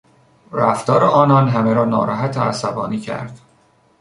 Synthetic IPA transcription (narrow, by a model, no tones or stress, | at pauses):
ɾæft̪ɒːɾeɒːnɒːnɦæmeɾɒːnɒ̰ːɾɒ̰ːɦæt̪ʰeæ̰sæbɒ̰ːniːcʰæ̰ɾd̪̥